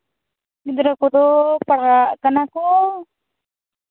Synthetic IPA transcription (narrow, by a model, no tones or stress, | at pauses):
id̪ɾakɔd̪ɔpaɽakanakɔ